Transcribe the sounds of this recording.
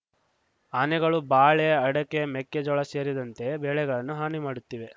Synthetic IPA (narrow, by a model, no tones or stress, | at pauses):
anɛɡɐɭubaːɭeɐɽɐkːe̞mɛkːed͡ʒɔɭɐse̞ːɾid̪ɐnt̪e̞beːɭɛɡɐɭɐnːuɦaːnimaːɽut̪ːiːʋe̞